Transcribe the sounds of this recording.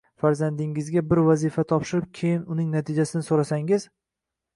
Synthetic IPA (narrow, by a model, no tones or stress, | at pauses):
faɾzand̪ɪŋɪzɡʲabɪɾvazifat̪ʰɒpʃɪɾɪp̚kʲʰe̞jɪnʊnɪŋnat̪ʰɪd͡ʒasɪnɪsoɾasaŋɪz